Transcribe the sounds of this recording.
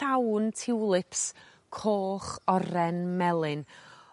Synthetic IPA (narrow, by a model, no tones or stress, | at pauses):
awntʰɪwlˠɪpʰs | kʰoːχɔɾɛnmɛlˠɪn